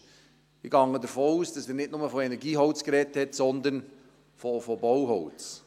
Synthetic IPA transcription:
iɡɑŋːədəɾfoːuːsd̥ɑseːnɪtnʊməfoɛnɛɾɡiːɦɔʊt͡skɾɛthɛtsɔnd̪ən | fofobɔwɦɔʊt͡s

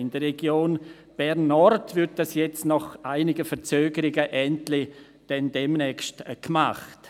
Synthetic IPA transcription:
ɪnd̥ərɛɡjoːn | b̥ɛɾnːɔrtvʏɾt̚d̥asjɛt͡stnɔχʔaɪnɪɡəfəɾt͡søːɡəɾɪɡəʔɛntlɪ | d̥ɛndɛmnɛːkstkmaχt

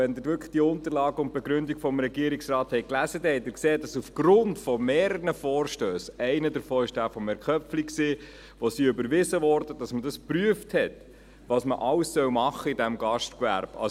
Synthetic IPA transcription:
ɛnd̪ɪɾʋʏkə̥χd̥iəʊnt̪əɾlɑːɡəʊnt̚b̥ɛɡɾʏndiɡfɔmɾɛɡiəɾiksrɑːthɛɪjklæzədɛhɛt̪ɪkseːdɑsufɡ̥ɾʊntfɔmeːɾəɾnəfɔːɾʃtøːsɛɪnədəɾfɔːɪʃd̥æːfɔmɛɾkœpfliksiː | ʋosiʏbəɾʋɪsəʋɔːɾdəd̥ɑsmədɑspɾyəfthɛt | ʋɑːsməʔɑwsːœwmɑχːəɪdæmɡɑʃtkvæ̰ɾb̥ɑ̰

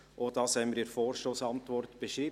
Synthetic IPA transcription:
ʔoːd̥ɑːshɛɪməɾiːɾfoːɾʃtoːsɑntʋɔrtb̥ɛʃɾiː

